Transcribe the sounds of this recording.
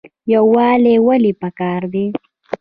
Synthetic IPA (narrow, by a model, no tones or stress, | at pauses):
jawwːɑːlewalipakɑːɾd̪i